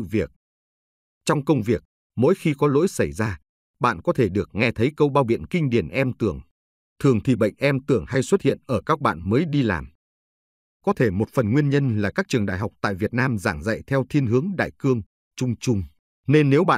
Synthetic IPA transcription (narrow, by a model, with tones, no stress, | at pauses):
ɨ̰˧˨vi˨˩ək̚ | t͡ɕɔ˧wŋ͡mkə˧wŋ͡mvi˨˩ək̚ | mo̰˧˥jxi˧kɔ˨˦lo̰˧˥jsa˧˩jzaː˧ | ɓa̰ː˧˨nkɔ˨˦t̪ʰe˧˩ɗɨ˨˩ək̚ŋɛ˧t̪ʰə˨˦jkə˧wɓaː˧wɓḭ˧˨ənkï˧ŋ̟ɗi˧˩ənʔɛ˧mt̪ɨ˧˩əŋ | t̪ʰɨ˨˩əŋt̪ʰi˨˩ɓə̰˧˨jŋ̟ʔɛ˧mt̪ɨ˧˩əŋha˧jswə˦˥t̚hḭ˧˨ənʔəː˧˩kaː˦˥k̚ɓa̰ː˧˨nməː˨˦jɗi˧la̰ː˨˩m | kɔ˨˦t̪ʰe˧˩mo˨˩t̚fə˨˩nŋwi˧ənɲə˧nlaː˨˩kaː˦˥k̚t͡ɕɨ˨˩əŋɗa̰ː˧˨jɦa˨˩k͡p̚t̪a̰ː˧˨jvi˨˩ət̚naː˧mzaː˧˩ŋza̰˧˨jt̪ʰɛ˧wt̪ʰi˧ənɦɨ˨˦əŋɗa̰ː˧˨jkɨ˧əŋ | t͡ɕʊ˧ŋ͡mt͡ɕʊ˧ŋ͡m | ne˧nːe˨˦wɓa̰ː˧˨